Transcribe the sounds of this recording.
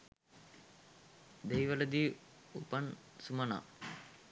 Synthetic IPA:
d̪ejʋələd̪i | upansumɐna̰

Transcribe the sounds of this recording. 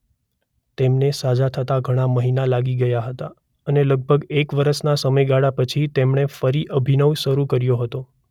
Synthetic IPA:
t̪emnesad͡ʒat̪ʰət̪aɡʱəɽ̃aməɦinalaɡiɡəjaɦət̪a | əneləɡ̚bʱəɡekʋəɾəʃnasəməjɡaɽapət͡ʃʰit̪emɳefəɾiʔəbʱinəʋʃəɾukəɾjoɦət̪o

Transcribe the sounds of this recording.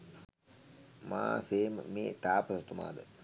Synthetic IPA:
ma̰ːseːmə̰meːt̪aːpəsət̪uma̰ːd̪ə

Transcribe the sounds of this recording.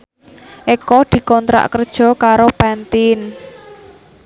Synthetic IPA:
ʔekɔd̪̥i̤kɔnt̪ɾa̰ʔkərd̥ʒ̥ɔ̤kaɾopant̪ɪn

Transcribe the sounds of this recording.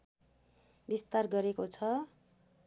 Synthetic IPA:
bist̪arɡʌɾekot͡sʰʌ

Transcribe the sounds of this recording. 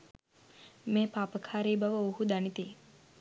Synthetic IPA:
meːpaːpəkʰaːɾiːbaʋəuhud̪anit̪i

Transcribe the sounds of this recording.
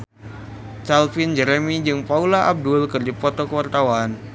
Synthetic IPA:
t͡ʃalfind͡ʒɛɾemid͡ʒɨŋpaulaʔab̚dʊlkɨrdipɔt̪ɔkəwart̪awan

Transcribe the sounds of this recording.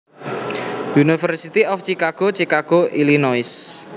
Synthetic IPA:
junifərsit̪iɔft͡ʃikaɡ̥ot͡ʃikaɡ̥oʔilinɔɪs

